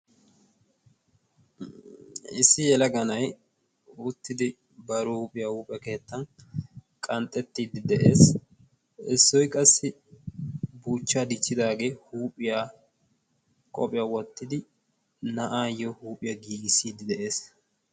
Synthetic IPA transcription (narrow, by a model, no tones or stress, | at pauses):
ɪsːɪjɛlɐɡɐnɐj | ʊt̪ːɪd̪ɪ | bɐɾuuːpʼɪjahuːpʼjɐke̞ːt̪ːɐn | kʼɐnt̪ʼːɛt̪ːiːd̪ɪd̪ɛʔeːs | ɪsːɔjkʼɐsːɪ | buːt͡ʃːaːd̪ɪt͡ʃːɪd̪aːɡe̞ːhuːpʼɪja | kʼɔpʼɪjɐwɔt̪ːɪd̪ɪ | nɐʔaːjɔhuːpʼɪjɐɡiːɡɪsiːd̪ɪd̪ɛʔe̞ːs